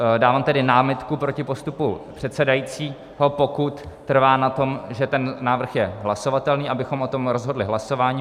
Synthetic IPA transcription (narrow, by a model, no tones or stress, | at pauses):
daːvaːmt̪ɛdɪnaːmɪt̪kupɾo̞cɪpo̞st̪upupr̥ɛt̪sɛdajiːt͡siː | ɦo̞po̞kut̪ːr̩vaːnat̪o̞mʒɛt̪ɛnnaːvr̩xjɛɦlaso̞vat̪ɛlniːʔabɪxo̞mʔo̞t̪o̞mɾo̞zɦo̞dlɪɦlaso̞vaːɲiː